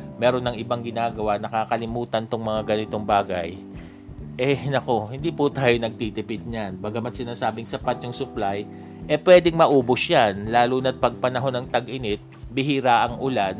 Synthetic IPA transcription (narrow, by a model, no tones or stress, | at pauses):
mɛːɾo̞nːɐŋɪbaŋɡɪnaːɡɐwanɐkaːkɐlɪmuːt̪ɐnt̪oŋmɐŋaɡɐnɪt̪oŋbaːɡɐj | ʔɛnɐko̞hɪnd̪iːpʊt̪aːjonɐɡ̚t̪iːt̪ɪpɪt̪̚ɲanbaːɡamɐt̪̚sɪnaːsaːbɪŋsɐpat̪̚jʊŋsʊplaj | ʔɛpwɛːd̪ɪŋmɐʔuːbʊsjanlaːlunɐt̪̚pɐɡ̚pɐnɐɦo̞nɐŋt̪ɐɡʔɪnɪt̪̚bɪhiːɾaːʔɐŋʔʊlan